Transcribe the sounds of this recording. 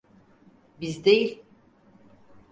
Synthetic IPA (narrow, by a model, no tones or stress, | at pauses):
bizd̪ejilʲ